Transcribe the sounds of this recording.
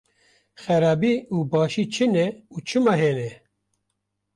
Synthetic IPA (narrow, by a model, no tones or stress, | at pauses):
xɛɾɑːbiːuːbɑːʃiːt͡ʃʰɨnɛuːt͡ʃʰɨmɑɦeːnɛ